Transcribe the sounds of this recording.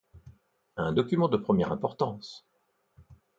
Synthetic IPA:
ɛ̃d̪ɔkʲymɑ̃d̪əpχəmjɛʁɛ̃pɔʁt̪ɑ̃s

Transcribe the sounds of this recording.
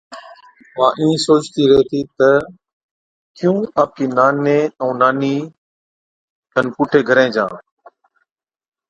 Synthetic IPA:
ʋãːʔĩːsoːt͡ʃt̪iːɾəɦeːt̪ʰiːt̪ə | kɪjũːaːp̚kiːnaːneːə̃ːnaːniː | tk̪ənpʊːʈʰeːɡʱəɾẽːd͡ʒã̰ː

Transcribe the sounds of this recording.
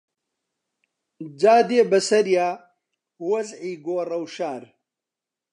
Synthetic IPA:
d͡ʒaːd̪eːbɐsɐɾjaː | wɐzʕiːɡoːrɐwʃaːɾ

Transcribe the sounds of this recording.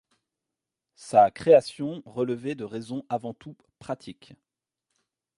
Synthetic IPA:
sakχeasjɔ̃ʁələvɛd̪əʁɛzɔ̃ʔavɑ̃t̪u | pχat̪ʰik

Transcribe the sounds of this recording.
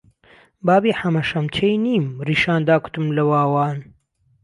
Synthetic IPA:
baːbiːħɐmɐʃɐmt͡ʃʰejniːmriːʃaːnd̪aːku̥t̪ɨmlɐwaːwaːn

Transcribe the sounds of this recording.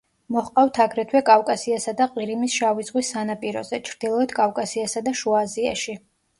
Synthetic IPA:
mɔχqʼavt̪ʰaɡɾɛt̪ʰwɛkʼafkʼasiasad̪aqʼiɾimisʃavizʁwisːanapʼiɾɔ̰zɛt͡ʃʰɾd̪ilˠɔɛt̪ʰkʼafkʼasiasad̪aʃuazia̰ʃi

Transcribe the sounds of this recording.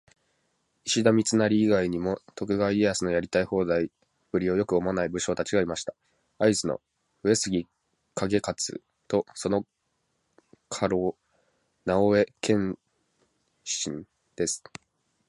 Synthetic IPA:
iɕid̪amʲit͡sɨnaɾʲiːɡaiɲ̟imo̞t̪o̞kɯ̟ɡaiiasɨno̞jaɾʲit̪aiho̞ːd̪ai | b̥ɯ̟ɾʲio̞jo̞kɯ̟o̞manaibɯ̟ɕo̞ːt̪at͡ɕiɡaimaɕi̥t̪ḁ | aisɨno̰ | ɯesɨɡʲi | kʰaɡe̞kat͡sɨ̰ | t̪o̞so̞no̞ | kʰaɾo̞ː | naoe̞kʰẽ̞ɰ | ɕĩn | d̪̥e̞sɨ̥

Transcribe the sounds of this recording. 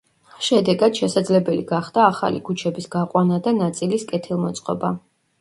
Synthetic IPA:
ʃɛd̪ɛɡad̪̥ʃɛsad̪zlɛbɛliɡaχd̪̥aːχa̰lḭkʰut͡ʃʰɛbisɡ̥aqʼwanad̪anat̪sʼiliskʼɛt̪ʰilˠmɔt̪sʼqʼɔ̰ba

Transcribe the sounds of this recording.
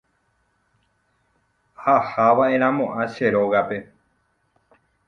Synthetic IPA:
hahaʋae̞ɾ̃ãmõʔãʃeɾo̞ɣape̞

